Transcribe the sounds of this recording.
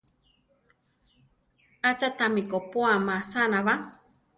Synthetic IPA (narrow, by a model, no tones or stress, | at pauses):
at͡ʃat̪amikopoamasanaβa